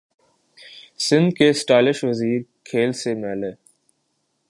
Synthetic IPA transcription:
sɪ̃nd̪kesʈaːlɪʃʋɐziːɾkʰeːlsemɛːleː

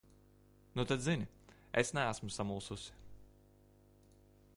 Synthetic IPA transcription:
nut̪ad̪zinʲɪ | esnææsmusamulˠsusɪ̥

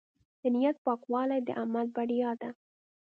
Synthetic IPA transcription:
d̪̥ənijat̪̚pɑkwɑlajd̪ə̰ʔamal̚baɽijɑd̪a

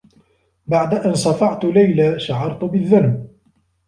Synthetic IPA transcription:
baʕd̪aʔansˤɑfɑʕt̪ʊlajlaʃaʕɑɾˤt̪ʊbɪðːanb

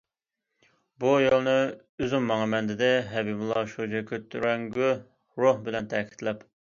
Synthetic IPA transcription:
bujolˠnɨ | yzymːɑŋɑmɛnd̪ɪd̪ɛɦɛbibɪlˠɑʃod͡ʒɛkʲʰøt̪ʰːyɾɛŋɡʲy | ɾohbɪlɛnt̪ʰɛkʲʰi̥t̪lɛp

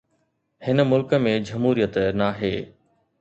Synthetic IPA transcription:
hɪnə̆mʊlkə̆mẽd͡ʑɐmɦuːɾijət̪naːɦeː

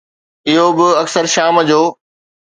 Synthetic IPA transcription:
ɪɦobɪɐksəɾʃaːmd͡ʑoː

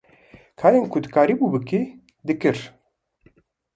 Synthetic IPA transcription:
kʰaːɾeːnkʰʊd̪ɨkaːɾiːbuːbɨki | d̪ɨkɨɾ

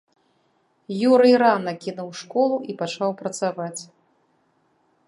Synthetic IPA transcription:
juɾɨjɾanɐkʲinuwʂkɔlˠuʔipat͡ʂawpɾɐt̪savat͡sʲ

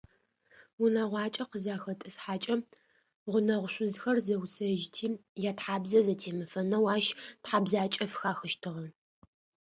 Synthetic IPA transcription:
wʊnɐʁʷɑːt͡ʃʼɐqəzaːxɐtʼɨsħaːt͡ʃʼɐ | ʁʷʊnɐʁʷʊɕʷʊzxɐrzɐwsɐʒtʰiːjaːtħaːbzɐzɐtʰeːmɨfɐnɐwaːʃtħaːbzaːt͡ʃʼɐfxaːxɨʃtʰɨʁɐ

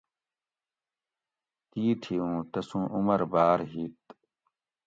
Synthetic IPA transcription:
t̪iːt̪ʰiũːt̪ɐsũːʔumɐɾbaːɾɦiːt̪

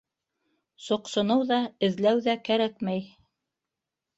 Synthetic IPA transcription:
sŏqsŏnɤwðɑɘ̆ðlæwðækæɾækmæj

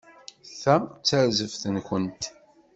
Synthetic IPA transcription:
θæt͡sːəɾzəfθənkʷənt̪

